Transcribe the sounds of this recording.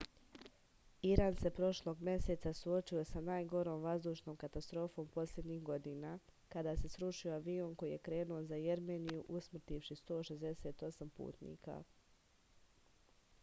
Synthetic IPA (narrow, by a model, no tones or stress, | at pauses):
iɾaːnse̞pɾo̞ʃlˠo̞ːɡmʲje̞se̞t̪sasuo̞t͡ʃujo̞sanaːjɡo̞ɾo̞ːmʋazd̪uːʃno̞ːmkat̪ast̪ɾo̞ːfo̞ːmpo̞slʲe̞d̪ɲixɡo̞d̪inaːkad̪aːse̞sɾuʃio̞aʋio̞nko̞jijekɾe̞ːnuozajeɾmeːnijuʔusmr̩t̪iʋʃist̪o̞ːʃe̞zd̪e̞se̞ːt̪o̞sampṵːt̪nḭːka̰